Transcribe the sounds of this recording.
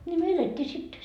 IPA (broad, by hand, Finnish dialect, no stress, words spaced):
nʲi no eletːiː sit